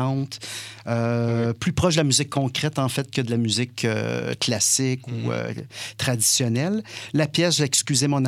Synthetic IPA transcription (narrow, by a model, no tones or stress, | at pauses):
ɑ̃t̪øplypʁɔʃd̪əlamyzɪkʰːɔ̃kʁɛt̪ɑ̃fɛt̪̚kəd̪əlamyzɪkø̰klasɪkuø̰t̪χad̪i̥sjɔnɛlːapjɛsʒaɛkskʲyzemɔ̃n